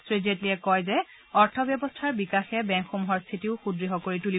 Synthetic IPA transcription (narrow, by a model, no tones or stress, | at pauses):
sɹezetliɛkɔjzɛ | ɔɹtʰɔbjɔbɔstʰaɹbikaxɛbɛ̃ŋkxumuɦɔɹst̪ʰitiʊxudɹiɦɔkoɹituli